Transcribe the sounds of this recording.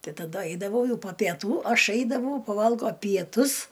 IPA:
ˈtɐɪ tɐˈdʊ ˈɐɪdɐʋɐʊ ˈjɛʊ poː pʲiɛˈtuː oː ˈɐʃ ˈɐɪdɐʋɐʊ pɐˈʋɐlˠɡoː pʲiɛˈtʊs

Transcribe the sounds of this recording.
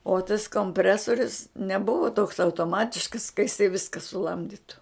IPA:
oː tɐs koːmʲˈpʲrʲæːsoːrʲʊs nʲɛˈbʊʋoː toːks ɐʊtoːˈmɑːtʲɪʃkɐs kɐ jɪˈsɐɪ ˈʋʲɪskɐ sʊˈlˠɐmʲdʲɪtʊ

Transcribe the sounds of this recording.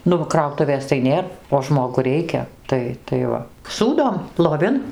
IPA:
ˈnʊ ʋɐ ˈkrɐʊtʊʋʲeːs tɐɪ ˈnʲeːr oː ˈʒmoːɡʊ ˈrʲɛɪkʲɛ ˈtɐɪ tɐɪ ˈʋɐ ˈsuːdoːm lˠoːˈʋʲɪn

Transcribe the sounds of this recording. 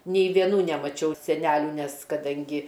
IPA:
nʲɛɪ ʋʲiɛˈnuː nʲɛmɐˈt͡ʃʲɛʊ sʲɛˈnʲæːlʲuː ˈnʲɛs kɐˈdɐŋʲɡʲɪ

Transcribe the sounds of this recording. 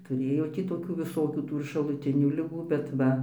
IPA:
tʊˈrʲeːjoː ˈtʲiː toːˈkʲuː ʋʲɪˈsoːkʲuː ˈtuː ɪr ʃɐlˠʊˈtʲɪnʲuː lʲɪˈɡuː bʲɛt ˈʋɐ

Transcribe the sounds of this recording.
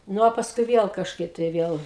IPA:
ˈnʊ oː pɐsˈkʊɪ ˈʋʲiɛlˠ kɐʃˈkɐɪp tɐɪ ˈʋʲiɛlˠ

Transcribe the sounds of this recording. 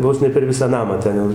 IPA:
ˈʋoːs nʲɛ pʲɛr ˈʋʲɪsɑː ˈnɑːmɑː ˈtʲɛn jɛʊ

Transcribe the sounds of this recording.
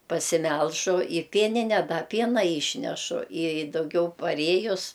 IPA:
pɐsʲɪˈmʲɛlˠʒʊ ɪ ˈpʲiɛnʲɪnʲɛ dɐ ˈpʲiɛnɐ ˈiːʃʲnʲɛʃʊ ɪ dɐʊˈɡʲɛʊ pɐˈrʲeːjʊs

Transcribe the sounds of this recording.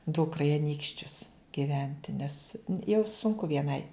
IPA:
ˈdʊkrɐ ɪ ɐˈnʲiːkʃʲt͡ʃʲʊs ɡʲɪˈʋʲɛnʲtʲɪ nʲɛs jɛʊ sʊŋˈkʊ ʋʲiɛˈnɐɪ

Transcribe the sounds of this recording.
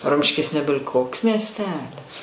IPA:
ˈrʊmʲʃʲkʲɪs ˈnʲæːbʲɪlʲ ˈkoːks mʲiɛsʲˈtʲæːlʲɪs

